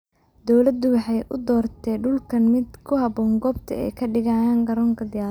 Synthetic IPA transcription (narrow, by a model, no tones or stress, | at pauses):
d̪̥ɔwlɐd̪ʊwɑħɑjʔʊd̪ɔːrt̪ʰɛːɖʊlkʰɐnmɪd̪kʰʊhɑbɔːŋɡɔːbt̪ʰɐ̰ɛ̰jkʰɐɖɪɣaːjaːŋɡɐɾɔːŋkʰɐd̪ɪjaː